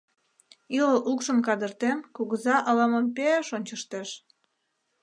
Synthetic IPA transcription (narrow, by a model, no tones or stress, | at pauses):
iləlʔukʃəmkɑd̪ərt̪emkuɣəzɑʔɑlɑməmpeeʃonʲt͡ɕəʃt̪eʃ